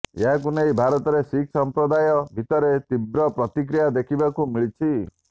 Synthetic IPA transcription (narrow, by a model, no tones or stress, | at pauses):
eɦak̬unejbʱaɾɔt̪ɔɾesikʰsɔmpɾɔd̪ajɔbʱit̪ɔɾet̪ibɾɔpɾɔt̪ik̬ɾijad̪ekʰibakumiɭit͡ʃʰi